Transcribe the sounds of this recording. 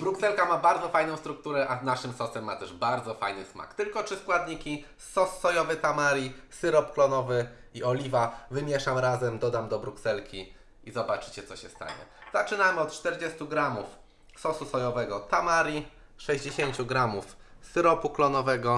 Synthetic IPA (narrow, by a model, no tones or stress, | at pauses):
bɾuksɛlkamabaɾd̪zɔfajnɔ̃w̃st̪ɾukt̪uɾɛʔaznaʂɘmsɔsɛmːat̪ɛʐbaɾd̪zɔfa̰jnɘsma̰kt̪ɘlkɔtt͡ʂɘskwad̪ɲikʲi | sɔsːɔjɔvɘt̪amaɾʲisɘɾɔpklɔnɔvɘiɔlʲivavɘmʲjɛʂamɾazɛmd̪ɔd̪amd̪ɔbɾuksɛlkʲi | izɔbat͡ʂɘ̥t͡ɕɛt̪sɔɕɛst̪a̰ɲɛ̰z̥at͡ʂɘnamɘɔt̪̚t͡ʂt̪ɛɾd͡ʑɛst̪uɡɾamuf | sɔsusɔjɔvɛɡɔt̪amaɾʲi | ʂɛʑd͡ʑeɕeɲt͡ɕuɡɾamufsɘɾɔpuklɔnɔvɛɡɔ